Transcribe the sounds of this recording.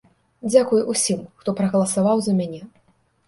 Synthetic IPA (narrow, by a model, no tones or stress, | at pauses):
d͡zʲakujuʔusʲimxt̪ɔpɾɐɣɐlˠɐsavawzɐmʲanʲɛ